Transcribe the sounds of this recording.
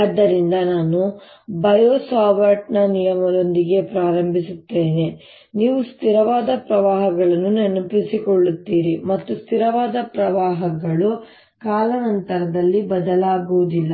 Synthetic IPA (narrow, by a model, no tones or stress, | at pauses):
ɐd̪ːɐɾind̪ɐnaːnu | bɐjoːsaːʋɐɾʈnɐnijɐmɐd̪o̞nd̪iɡe̞pɾaːɾɐmbʱisut̪ːe̞ːne | niːʋust̪iɾɐʋaːd̪ɐpɾɐʋaːɦɐɡɐɭɐnːunenupisikɔɭːut̪ːiːɾimɐt̪ːust̪ʰiɾɐʋaːd̪ɐpɾɐʋaːɦɐɡɐɭu | kaːlɐnɐnt̪ɐɾɐd̪ɐlːibɐd̪ɐlaːɡuʋud̪ilːɐ